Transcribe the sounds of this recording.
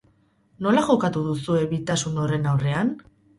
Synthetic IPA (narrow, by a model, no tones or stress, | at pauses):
no̞laʝo̞kat̪uðusue̞βit̪asuno̞re̞nawre̞an